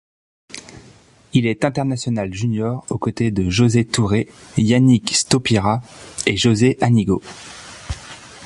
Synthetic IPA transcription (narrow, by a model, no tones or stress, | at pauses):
ilɛt̪ɛ̃t̪ɛʁnasjɔnalʒynjɔʁokot̪ed̪əʒozet̪uʁejanikst̪opiʁaeʒozeʔaniɡo̰